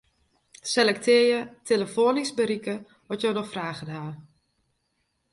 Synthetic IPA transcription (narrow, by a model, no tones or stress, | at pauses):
selɛk̚tʰɪəjətʰeləfoːnisbəɾikə | ʋɔtjownɔxfraːɣədɦaː